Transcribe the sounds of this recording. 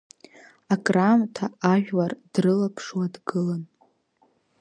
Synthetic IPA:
akʼramtʰaaʒᶣward̥rɨlapʰʂwadɡɨlan

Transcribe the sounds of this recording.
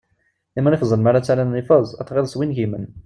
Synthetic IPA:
imːnifzˤəlmaɾat͡sːalænːifɑzˤæθʁeðˤsˤwinʝimən

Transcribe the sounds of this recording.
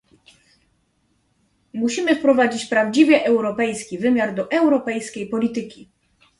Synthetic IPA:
muɕimɘfpɾɔvad͡ʑit͡ɕpɾavd͡ʑivʲjɛʔɛwɾɔpɛjskʲivɘmʲjaɾd̪ɔʔɛwɾɔpɛjskʲejpɔlʲit̪ɘkʲi

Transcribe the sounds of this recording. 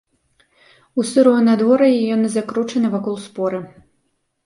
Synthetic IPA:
usɨɾɔɐnad̪vɔɾɐjɛjɔnɨzakɾut͡ʂɐnɨvakɔlˠspɔɾɨ

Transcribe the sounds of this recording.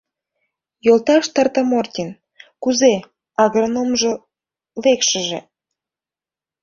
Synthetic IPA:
jolt̪ɑʃt̪ɑrt̪əmortʲin | kuze | ɑɣronomʒo | lekʃəʒḛ

